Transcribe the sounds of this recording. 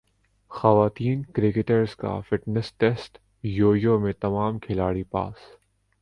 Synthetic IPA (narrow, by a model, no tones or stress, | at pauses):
xɐʋaːt̪iːnkɾɪkɪʈəɾzka̰fɪʈnəsʈɛsʈ | joːijomẽt̪ɐmaːmkʰɪlaːɽipa̰ːs